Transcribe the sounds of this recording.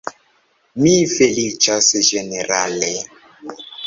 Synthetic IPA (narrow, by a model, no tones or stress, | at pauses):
mifelit͡ʃasɛʒeneɾalɛ